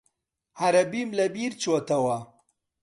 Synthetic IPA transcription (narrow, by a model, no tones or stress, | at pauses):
haɾɐbimlabiɾt͡ʃwot̪awa